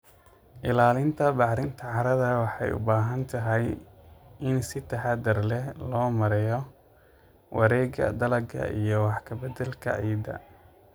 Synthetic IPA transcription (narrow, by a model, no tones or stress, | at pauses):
ʔɪlaːlɪnt̪ʰɐbɑħɾɪnt̪ʰɐʕɑɾɐðɐwɑħɑ̰jʊ̰baːɦɐnt̪ʰɐɦɛj | ʔɪnsɪt̪ʰɐħɑd̪ɐrlɛhlɔːmɐɾɛjɔ | wʔɑɾɛːɡɐ̰d̪ɐlɐɡʰɐ̰ʔḭjɔwɑħkʰɐbɛd̪ɛlkʰɐ̰ʕiːd̪ɐ̰